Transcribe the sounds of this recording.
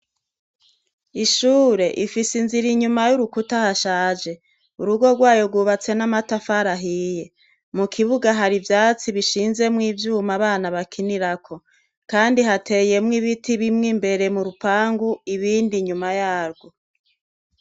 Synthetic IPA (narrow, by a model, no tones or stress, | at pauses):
iʃuːɾe̞ʔifisinziɾiɲumajuɾukutahaʃaːd͡ʒe̞ | uɾuɡo̞ɡwaːjoɡwuβat͡se̞namatafaɾaɦije̞ | mukʰiβuɡaɦaɾivjaːt͡siβiʃiːnze̞mŋiːvjuːmaβaːnaβakʰiniɾakʰo̞ | kaːndiɦate̞je̞mŋiβitiβimŋimbe̞ɾe̞muɾupaːŋɡuiβiːndiɲumajaːɾɡwo̞